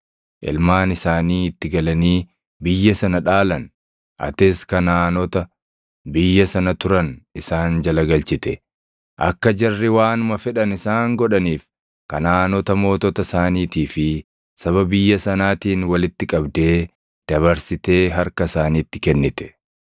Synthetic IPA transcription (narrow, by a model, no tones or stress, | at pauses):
ʔɪ̰lmaːnɪsaːniːɪt̪ːɪɡɐlɐniː | bɪjːɐsɐnɐᶑaːlɐn | ʔɐ̰t̪ɪskɐnaːnɔt̪ɐ | bɪjːɐsɐnɐt̪ʊɾɐnɪsaːnd͡ʒɐlɐɡɐlt͡ʃɪt̪ɛ | ʔɐ̰kːɐd͡ʒɐrːɪwaːnʊmɐfɛᶑɐnɪsaːŋɡɔᶑɐniːf | kɐnaːnɔt̪ɐmo̞ːt̪ɔt̪ɐsaːniːt̪iːfɪ | sɐβɐbɪjːɐsɐnaːt̪iːnwɐlɪt̪ːɪkʼɐbd̪e̞ː | d̪̥ɐβɐɾsɪt̪e̞ːɦɐɾkɐɪsaːniːt̪ːɪkɛnːɪt̪ɛ̥